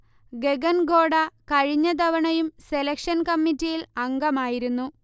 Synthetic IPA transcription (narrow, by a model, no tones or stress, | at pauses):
ɡe̞ɡɐnɡo̞ːɽɐkɐɻiɲːɐd̪ɐʋɐɳɐjumse̞lɐkʂɐnkɐmːitːijilɐŋɡɐmaːjiɾunːu